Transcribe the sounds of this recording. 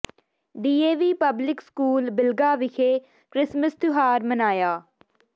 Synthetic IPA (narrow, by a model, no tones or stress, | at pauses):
ɖiːeːʋiːpəblɪkskuːlbɪlɡaːʋɪkʰeː | kɾɪsməst̪ʊɦaːɾmənaːjaː